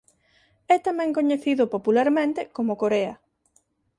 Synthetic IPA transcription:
ɛt̪amɛ̃ŋkoɲeθiðʊpopulaɾmẽnt̪ɪkomʊkoɾeɐ

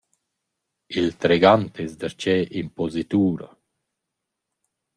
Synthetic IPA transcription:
ilt̪ɾeɡant̪ezd̪aɾt͡ʃɛʔimpozit̪uːɾa̰

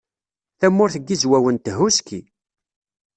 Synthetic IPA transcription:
θæmːʊɾθəɡːizwæwənt̪əɦuski

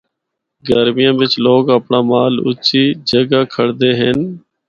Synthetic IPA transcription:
ɡəɾmɪjãːʋɪt͡ʃloːɡəpɳaːmaːlʊ̰t͡ʃiːd͡ʒəɡaːkʰəɽd̪eːɦɪn

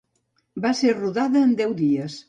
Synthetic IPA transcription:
baseɾruðaðɐend̪ɛwðiɐs

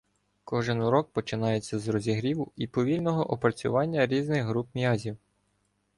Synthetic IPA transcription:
kɔʒɪnɾɔk̚pɔt͡ʃɪnɑjet͡sʲːɐzrɔzʲiɦɾʲiʋʊipɔʋʲilʲnɔɦɔʔɔpɾɐt͡sʲʊ̰ʋɑnʲːɐɾʲiznɪɣɦɾupmʲjɑzʲiw

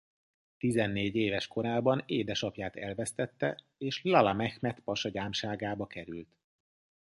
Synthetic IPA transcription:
t̪izɛnːeːɟeːvɛʃko̞ɾaːbɒneːd̪ɛʃɒpjaːt̪ɛlvɛst̪ɛt̪ːɛ | eːʃlɒlɒmɛxmɛt̪pɒʃɒɟaːmʃaːɡaːbɒkɛɾylt̪

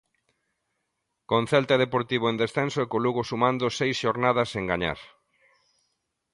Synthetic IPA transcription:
kõn̟θɛlt̪aðepoɾt̪iβoend̪esθensoekoluɣosumãnd̪osejsʃoɾnaðɐseŋɡaɲa̰ɾ

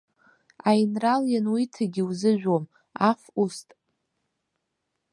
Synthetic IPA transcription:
ajnraljanwitʰaɡʲiwzɨʒᶣʷom | afustʼ

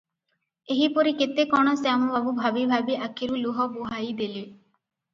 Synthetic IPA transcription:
eɦipɔɾiket̪ekɔɽ̃ɔsamɔbabubʱabibʱabiʔakʰiɾuluɦɔbuɦajd̪ele

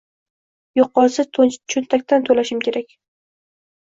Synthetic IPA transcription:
joqːɒsɪt͡ʃʰɵnt̪ʰakʲt̪ant̪ʰɵlaʃɪmkʲe̞ɾakʲ

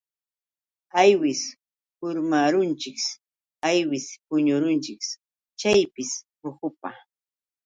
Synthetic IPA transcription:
ajwɪs | hʊɾmaɾʊnt͡ʃɪks | ajwɪspʊɲʊɾʊnt͡ʃɪks | t͡ʃajpɪspʊhʊpa

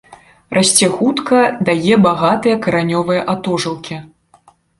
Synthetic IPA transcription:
rʔasʲt͡sʲɛxut̪kɐd̪ajɛbaɣat̪ɨjɐkɐɾanʲɔvɨjɐʔat̪ɔʐɨlˠkʲi

